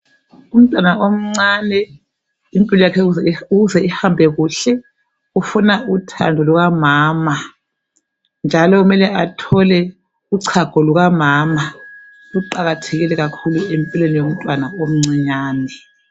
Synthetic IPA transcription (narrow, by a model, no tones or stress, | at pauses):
um̩tʼwanaom̩ŋ͡ǀanɛ | impʼilɔjakʰɛzuɣuzɛihambʱɛɣuɬɛ | ufunautʰa̰ndʱɔluɣamaːma | nd͡ʒʱalɔumɛlɛatʰɔlɛ | uǀʰaɡ̥ʱɔluɣamaːma | uǃaɣatʰeɣilɛɣakʰuluempʼilenijom̩tʼwanaom̩ŋ͡ǀiɲaːnɛ